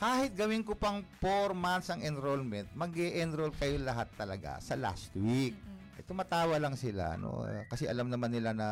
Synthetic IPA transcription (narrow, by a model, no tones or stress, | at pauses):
kaːhɪt̪̚ɡɐwɪŋkʊpɐŋpoɾmant̪sɐŋɛnɾolmɛnt̪̚mɐɡɛʔɛnɾolkɐjolɐɦat̪ːɐlɐɡa̰sɐla̰st̪wik̚ʔɐ̰t̪ʊmaːt̪aːwɐlɐŋsɪla̰ɐ̰no̰kɐsɛʔɐlamnɐmanːɪlanɐ